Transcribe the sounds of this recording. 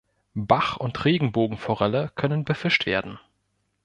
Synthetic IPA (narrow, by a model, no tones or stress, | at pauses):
baχʊntʁeːɡŋ̩boːɡŋ̩fɔʁɛləkʰœnənbəfɪʃtv̥eːɐdn̩